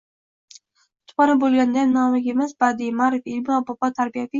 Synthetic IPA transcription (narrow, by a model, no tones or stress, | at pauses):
ʊt̪ʰpɑɾabolˠɡʲand̪anːɒmɪɡʲemɪzbad̪ɪmaɾefɪlmɪɒbɒpɒt̪ʰaɾbijat̪ɪ